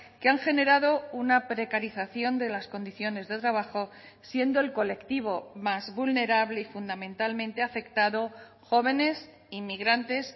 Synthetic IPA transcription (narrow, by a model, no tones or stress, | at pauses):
keaŋxe̞ne̞ɾaðo̞unapɾe̞kaɾiθaθjo̞nd̪e̞lasko̞nd̪iθjo̞ne̞zðe̞t̪ɾaβ̞axo̞sje̞nd̪o̞e̞lko̞le̞kt̪iβ̞o̞mazβulne̞ɾaβle̞ifund̪amẽ̞nt̪almẽnt̪e̞afe̞kt̪aðo̞ | xo̞β̞e̞ne̞s | imiɣ̞ɾant̪e̞s